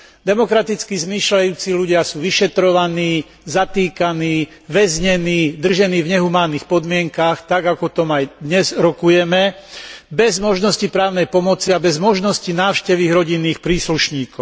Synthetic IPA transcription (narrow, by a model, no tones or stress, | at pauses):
d̪ɛmɔkɾat̪it͡skizmiːʃlajuːt͡siːʎuɟɪasuːʋiʃɛt̪ɾɔʋaniː | zat̪iːkaniː | ʋɛzɲɛniːd̪r̩ʒɛniːvɲɛɦumaːniːxpɔd̪mɪɛŋkaxt̪aɡakɔt̪ɔmajd̪ɲɛzɾɔkujɛmɛbɛzmɔʒnɔscipɾaːʊnɛjpɔmɔt͡siabɛzmɔʒnɔscinaːʊʃcɛʋiɣɾɔɟinːiːxpɾiːsluʃɲiːkɔʊ